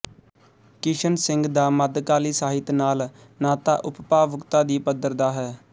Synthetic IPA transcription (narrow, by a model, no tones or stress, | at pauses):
kɪʃənsɪ̃ŋɡd̪aːməd̪kaːliːsaːɦɪt̪naːl | naːt̪a̰ːʔʊppaːʋʊkt̪aːd̪iːpəd̪əɾd̪aːɦɛː